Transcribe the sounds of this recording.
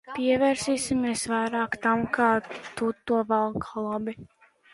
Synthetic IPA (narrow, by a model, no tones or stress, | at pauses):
piɛvɛːɾsiːsimiɛsvajɾaːkt̪amkaːt̪ut̪ːuɔvalˠkʰalˠɔbi